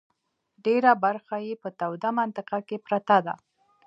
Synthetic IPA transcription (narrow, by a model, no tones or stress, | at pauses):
ɖeɾabaɾxajepət̪awd̪amant̪ɪqakepɾat̪ad̪a̰